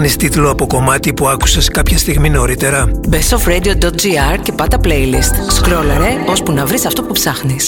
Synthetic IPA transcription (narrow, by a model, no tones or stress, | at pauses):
nist̪it̪loɐpo̞ko̞mɐt̪ipuɐku̥seskɐpçɐst̪iɣmino̞ɾit̪e̞ɾɐbesofɾed̪iod̪ot̪̚d͡ʒiɐɾce̞pɐt̪ɐplejlist̪skɾolɐɾeo̞spunɐvɾisɐft̪opupsɐxnis